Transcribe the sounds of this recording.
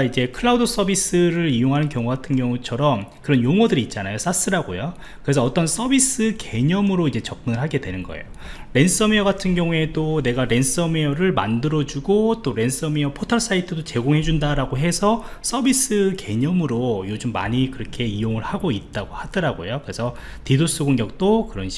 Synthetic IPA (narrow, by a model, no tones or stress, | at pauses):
aid͡ʑe̞kʰɯɭaudɯs͈ʰʌbis͈ɯɾɯɾijoŋɦanɯnkjʌŋuɡatʰɯnɡjʌŋut͡ɕʰʌɾʌmkɯɾʌnjoŋwʌdɯɾiːt̚t͡ɕ͈anajos͈as͈ɯɾaɡojo | kɯɾe̞s̬ʰʌːt͈ʌns͈ʰʌbis͈ɯke̞ɲʌmɯɾoid͡ʑe̞t͡ɕʌk̚mɯnɯɭɦaɡe̞dwe̞nɯnɡʌḛjo | ɾe̞ns͈ʌmejʌɡatʰɯnɡjʌŋue̞done̞ɡaɾe̞ns͈ʌmejʌɾɯɭma̰ndɯɾʌd͡ʑuɡot͈oɾe̞ns͈ʌmejʌpʰotʰʌɭs͈ʰaitʰɯdot͡ɕe̞ɡoŋɦe̞d͡ʑundaɾaɡoɦe̞sʰʌs͈ʌbis͈ɯke̞ɲʌmɯɾojod͡ʑɯmːa̰ɲikɯɾʌkʰe̞ijoŋɯɭhaɡoit̚t͈aɡohad̥ɯɾaɡojokɯɾe̞sʰʌ | tidos͈ʰuɡoŋɡjʌk̚t͈okɯɾʌnɕ